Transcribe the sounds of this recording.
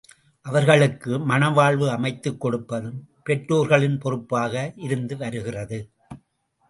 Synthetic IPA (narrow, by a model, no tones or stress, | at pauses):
ʔɐʋɐɾɣɐɭɯkːɯmɐnɐʋaːɭʋɯɐmɐɪt̪ːɯkːɔɽɯpːɐðɯm | pɛʈɾoːɾɣɐɭɪnpɔrɯpːaːɣɐʔɪɾɯnd̪ɯʋɐɾɯɣɪrɐðɯ